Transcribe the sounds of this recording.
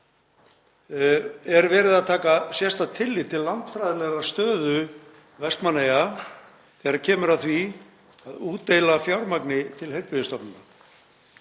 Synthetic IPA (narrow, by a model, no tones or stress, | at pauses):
ɛɾvɛːɾɪðaðt̪ʰaːkasjɛst̪at̪ʰɪlːɪt̪ʰɪllːant̪fɾajðɪlɛɣɾḁst̪œːðʏ | vɛst̪maneja | θɛɣaɾcʰɛːmʏɾaðθvi | aðuːt̪ːejlafjawɾmaknɪt̪ʰɪlheɥɾpɪðɪst̪ɔpnʏna